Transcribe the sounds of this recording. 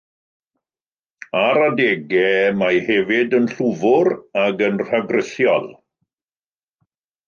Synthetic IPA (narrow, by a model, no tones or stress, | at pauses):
aɾadeːɡɛmajhɛvɪdənɬuvʊɾaɡənr̥aɡrɪθjɔlˠ